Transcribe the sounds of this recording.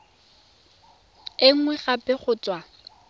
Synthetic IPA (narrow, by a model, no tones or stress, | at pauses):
ɪŋ̩ŋwɛχapʼɛχʊːt͡sʼwa